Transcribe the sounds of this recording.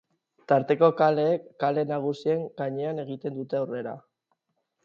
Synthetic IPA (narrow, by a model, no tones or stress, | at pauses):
t̪aɾt̪e̞ko̞kale̞ːkːale̞naɣ̞usie̞ŋɡaɲe̞ane̞ɣ̞it̪end̪ut̪e̞awre̞ɾa̰